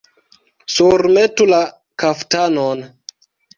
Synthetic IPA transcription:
suɾmetula | kaftanon

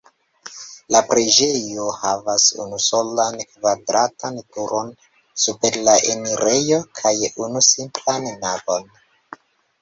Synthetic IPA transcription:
lapɾed͡ʒe̞johavasṵnuso̞lankvadɾatantuɾo̞n | supe̞ɾlaʔeniɾʔe̞jo̞kʰajunusimplanːavo̞n

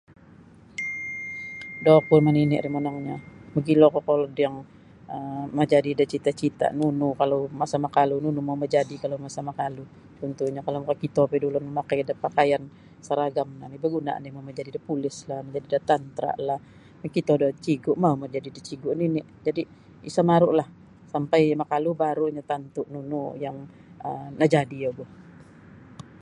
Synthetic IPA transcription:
dɔkʊrmaninɪʔɾimonaŋɲaməɡilokɔkolɔdjaŋ | əmad͡ʒadidat͡ʃit̪aʔt͡ʃit̪a̰ʔnunukalowmaʔsamakalununumauməd͡ʒadikalomasamakalu | t͡ʃɔnt̪uhɲakalomakakit̪ɔpɛdulʊməmakajdapakajan | səɾaɡamnamibəɡuna̰ʔa̰nimauməd͡ʒadidipulɪslahnad͡ʒadidat̪ant̪ɾa̰ʔlah | makit̪adat͡ʃiɡʊʔmauməd͡ʒadidit͡ʃiɡʊʔninɪ | d͡ʒadi | isamaɾʊʔlah | sampajmakalubaɾuɲat̪ant̪uʔnunujaŋ | ə̰nad͡ʒadijaɡɔh

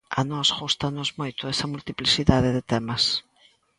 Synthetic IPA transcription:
ɐ̰nɔsɣust̪ɐnozmojt̪ʊɛsɐmult̪iplisiðaðɪðɪt̪ɛmɐs

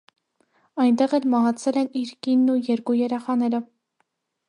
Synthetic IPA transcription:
ɑjnt̪ɛʁɛlmɑɦɑt͡sʰɛlɛniɾkinːujɛɾkujɛɾɛχɑnɛɾə

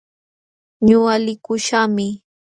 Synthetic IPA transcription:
ɲʊalɪkʊʃamɪ

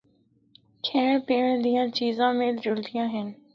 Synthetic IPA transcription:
kʰẽːɽ̃piːɽ̃d̪ijãːt͡ʃiːzãːmẽːld͡ʒʊlt̪ijãːɦɪn

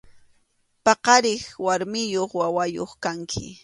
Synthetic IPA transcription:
pɑqɑɾɪχwaɾmɪjoχwawajo̰χkaŋkʰɪ̰

